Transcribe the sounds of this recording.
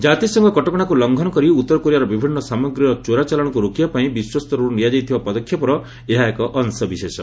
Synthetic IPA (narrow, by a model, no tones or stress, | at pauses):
d͡ʒat̪isɔŋɡɔkɔʈɔkɔɽ̃akulɔŋɡʱɔnɔkɔɾiut̪ːɔɾɔkoɾiaɾɔbibʱinːɔsamɔɡɾiɔt͡ʃoɾat͡ʃalɔɽ̃ɔkuɾokijapaĩbiswɔst̪ɔɾɔɾunijad͡ʒajt̪ʰibapɔd̪ɔkʰːjɔpɔɾɔ | eɦaekɔʔɔnsɔbisesɔ